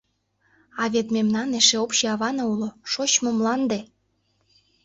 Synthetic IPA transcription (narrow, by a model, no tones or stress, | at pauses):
ɑβet̪memnɑneʃeopɕeɑβɑnɑuloʃot͡ɕmomlɑnd̪e